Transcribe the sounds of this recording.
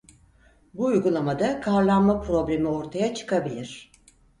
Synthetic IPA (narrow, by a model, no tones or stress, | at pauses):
buːjɡulˠamad̪akʰaɾlˠanmapɾo̞blʲe̞mio̞ɾt̪ʰajat͡ʃʰɯ̥kabilʲiɾ̝̥